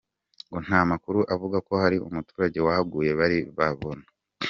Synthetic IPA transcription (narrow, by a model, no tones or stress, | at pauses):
ŋɡon̥hamakuɾuʔavuɡako̞haɾiṵmutuːɾaɟe̞wahab̚ɡuːje̞βaɾiβaβona